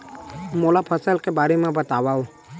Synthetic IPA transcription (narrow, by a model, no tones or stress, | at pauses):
molapʰəsəlkebaːɾemẽbət̪awao